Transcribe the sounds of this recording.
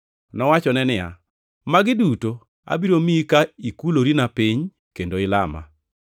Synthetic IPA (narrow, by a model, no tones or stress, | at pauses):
nɔwat͡ʃɔnɛnɪja̰ | maɡɪduto | a̰biɾomikaikuloɾinapiɲ | kendoɪlama̰